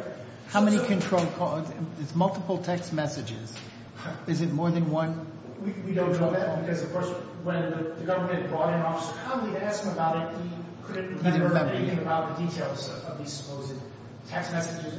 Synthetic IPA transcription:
haʊmɛñikʰɨ̃ntʰɹ̥oʊlˠkʰɔɪsmʌlˠtəpl̩ˠtʰɛksmɛsɨd͡ʒɪ̰z̥ | ɨzɨt̚mɔɹðɨ̃nwʌ̃n | wiwidõʊ̃ndɔæbɨkʌzʌv̥kʰɔɹs | wɨ̃nðɨðɨɡʌvə˞mɨ̃ɨtɨd̚ɡɔɾɨ̃nɔfə̥sə˞pʰɑəblˠiɾɨæskməbaʊɾɨt̚hikʰʊdⁿn̩ə˞ɛ̃meɪɾɪ̃ŋɨbaʊt̪̚ðɨditʰeɪlˠzʌvðiz̥sə̥pʰoʊzɨd̚ | tʰɛksmɛsɨd͡ʒɨz

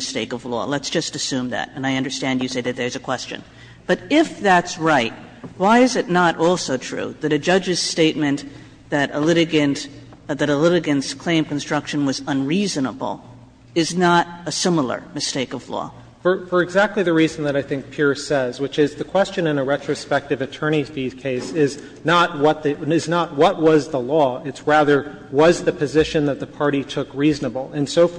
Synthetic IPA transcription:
mɨsteɪkʌvlɔ̰lətsd̥ʒ̥ʌstɨsʉ̃mðæ̰ɾɨ̃naɪʌ̃ndə˞stæ̃ndjɨseɪðɨt̪̚ðə˞zɨkʰw̥ɛst͡ʃɨ̰̃n | b̥ʌɾɪfðætsɹaɪt̚waɪɨzɨtⁿnəɾʔɔlˠsoʊtʰɹ̥ʉ̰ðɨɾɨd͡ʒʌd͡ʒɨz̥steɪt̚mɨ̃n | ðɨɾəlɪɾɨɡɨ̃n | ðɨɾəlɪɾɨɡɨ̃nskʰl̥ẽɪ̃mkn̩stɹ̥ʌkʃɨ̃nwʌzə̃nɹizɨ̃nəbl̩ˠ | ɨznəɾəsɪ̃ml̩ˠə̰˞mɨsteɪkʌv̥lɔ̰ | fə˞fə˞ɨɡzæk̚tˡliðɨɹizn̩ðɨɾaɪθɪ̃ŋk̚pʰɪɹsɛzwɨt͡ʃɪzðɨkʰw̥ɛst͡ʃɨ̃nɨ̃nɨɹɛt͡ʃɹ̥ɨspɛk̚tɨvɨtʰɜ̃˞ɾ̃izfi̥kʰeɪsɪz | nət̚wʌt̪̚ðiɪznət̚wʌt̚wʌzðəlɔɨtsɹæðə˞ | wʌzðɨpʰɨzɪʃɨ̃nðɨt̪̚ðəpʰɑɹɾitʰʊkɹiznəbl̩ˠɨ̃nsoʊ

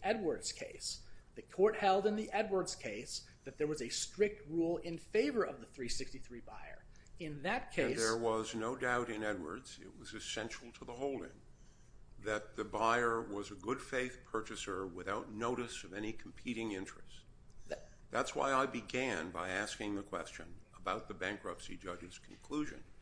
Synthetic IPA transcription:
ʔɛd̚wə˞dz̥kʰeɪsðɨkʰɔɹt̚hɛlˠdɨ̃nðiʔɛd̚wə˞dz̥kʰeɪs | ðɨt̪̚ðə˞wʌzɨstɹ̥ɪk̚t̚ɹulˠɪ̃nfeɪvə˞ʔʌvðəθɹisɪkstiθɹiba̰ɪə̰˞ɨ̃nðɨt̚kʰeɪðə˞wʌznoʊdaʊɾɨ̃nɛd̚wə̰˞dz̥ɪ̰t̚wʌzɨsɛ̃nʃl̩ˠtʰəðəɦoʊlˠdɪ̰̃ŋ | ðɨt̪̚ðɨbaɪə˞wʌzɨɡʊd̥feɪθpʰɜ˞t͡ʃɨsə˞wɨθaʊtⁿnoʊɾɨsʌvɛñikʰm̩pʰiɾɪ̃ŋɪ̃nt͡ʃɹ̥ɨs | ðætswa̰ɪaɪbɨɡæ̃nbaɪæskɪ̃ŋðɨkʰw̥ɛ̰st͡ʃɨ̃nəbaʊt̪̚ðɨbæ̃ŋkɹʌpsḭd͡ʒʌd͡ʒɨz̥kʰn̩kʰl̥uʒɨ̰̃n

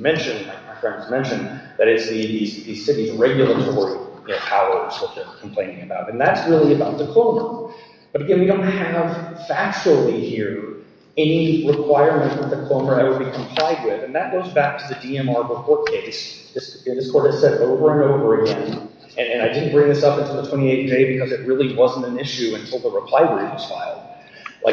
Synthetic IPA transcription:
mɛ̃nʃɨ̃nmaɪaɪfɹɛ̃ndzmɛ̃nʃɨ̃nðɨɾɨtsðɨðizðisɪɾizɹɛɡjl̩ˠətʰɔɹijɨnoʊpʰaʊə˞z̥wʌt̪̚ðə˞kʰm̩pʰl̥ẽɪ̃nɪ̃ŋɨbaʊɾɨ̃nðætsɹɪlˠiɨbaʊt̪̚ðɨkʰl̥õʊ̃mə˞ | b̥ʌɾɨɡɛ̃nwidõʊ̃nt̚hɨv̥fæt͡ʃl̩ˠihiɹ | ɛniɹɨkʰw̥aɪɹmɨ̃nʔwʌt̪̚ðɨkʰl̥õʊ̃mə˞aɪwəd̚bikʰə̃mpʰl̥aɪd̚wɪðɨ̃nðɨt̚ɡ̥oʊzbæk̚tʰɨðɨdiɛ̃mɑɹbəkʰɔɹt̚kʰeɪs | ðɪs | ɨ̃nðɪskʰɔɹɾɨz̥sɛɾoʊvə˞ɨ̃noʊvə˞ɨɡɛ̃n | ɨ̃nɨ̃naɪdɪdⁿn̩b̥ɹɪ̃ŋðɪsʌpɨ̃ntʰɪl̩ˠðətʰw̥ɛ̃ɾ̃ieɪtd͡ʒeɪbɨkʰʌzɨt̚ɹɪlˠiwʌzn̩tɨ̃nɪʃʉɨ̃ntʰɪlˠðəɹəpʰl̥aɪwəɹiwʌz̥fa̰ɪlˠd̥ | lʔa̰ɪ

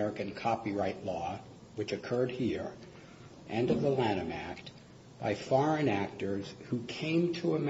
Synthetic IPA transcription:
ɛɹɨkɨ̃nkʰɑpiɹaɪʔˡlɔ | wɨt͡ʃɨkʰɜ˞d̚hiɹ | ʔɨ̃nʌvðəlæ̃ɾ̃ɨ̃mækt̚ | b̥aɪfɔɹɨ̃næk̚tə˞z̥hukʰẽɪ̃mtʰəəm

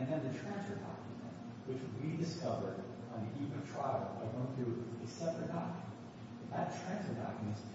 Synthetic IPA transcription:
ɨ̃nðɨ̃nðɨtʰɹ̥æ̃nsfə˞dɑ̰kʰjɨmɨ̰̃nt̚ | wɨt͡ʃwidɨskʌvə˞ɾ | ə̃n̩ðiʔivn̩ʌv̥tʰɹ̥aɪl̩ˠbaɪɡoʊɪ̃ŋθɹʉɨsɛpɹɨt̚d̥ɑkj̃n | ðɨtʰɹ̥æ̃nsfə˞dɑ̰kjɨmɨ̃ns

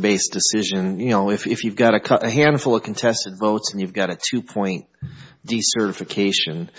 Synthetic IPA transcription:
beɪsd̥ɨsɪʒɨ̃njɨnoʊɨfɨfjʉvɡɑɾɨkʰʌʔɨɦæ̃nd̥fl̩ˠʌv̥kʰn̩tʰɛstɨdvoʊtsn̩jʉvɡɑɾɨtʰʉpʰɔ̃ɪ̃n | d̥isɜ˞ɾɨfɨkʰeɪʃɨ̃n

